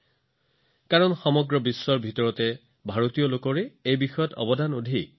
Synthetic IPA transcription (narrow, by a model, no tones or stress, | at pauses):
kaɹɔnxɔmɔɡɹɔbisːɔɹbʱitɔɹɔtɛ | bʱaɹotijɔlokɔɹɛejbixɔjɔtʰɔ̰bɔdanodʱi